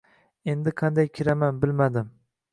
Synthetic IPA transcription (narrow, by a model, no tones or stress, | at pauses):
e̞nd̪ɪqʰɑnd̪ajkʲʰɪɾamanbɪlmad̪ɪm